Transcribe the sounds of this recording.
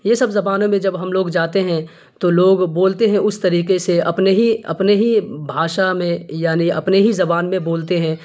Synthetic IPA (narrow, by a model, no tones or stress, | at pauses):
jesɐbzɐbaːnõmẽd͡ʒɐbɦɐmloːɡd͡ʒaːt̪eɦɛ̃ | t̪oloːɡboːlt̪eɦɛ̃ʔʊst̪ɐɾiːqeseɐ̰pneɦiɐ̰pneɦibʱaːʃamẽjaːniɐ̰pneɦizɐbaːnmẽboːlt̪eɦɛ̃ː